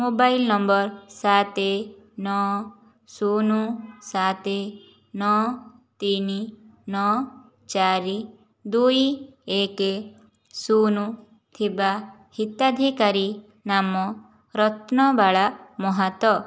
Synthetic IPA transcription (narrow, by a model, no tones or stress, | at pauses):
mobajlnɔmbɔɾsat̪e | nɔ | sunusat̪e | nɔ | t̪ininɔ | t͡ʃaɾi | d̪ujieke | sunu | t̪ʰiba | hit̪ad̪ʱikaɾi | namɔ | ɾɔt̪nɔbaɭamɔɦat̪ɔ